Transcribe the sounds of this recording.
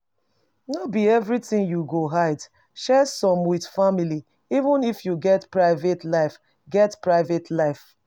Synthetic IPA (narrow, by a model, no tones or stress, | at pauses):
nɔbiɛvɹitĩŋjuɡoɦaɪd | ʃɛsɔ̃mwið̥famili | ivə̃nifjuɡɛtpɹaɪvetlaɪf | ɡɛtpɹaɪvetʰlaɪf